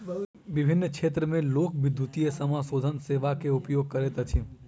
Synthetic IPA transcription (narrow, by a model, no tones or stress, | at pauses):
ʋɪbʱɪnːkʰʃʰet̪ɾəmẽlokʋɪd̪ʱːut̪iesəmãsod̪ʱənseʋakeupjoɡ̚kəɾet̪ət͡ʃʰĩ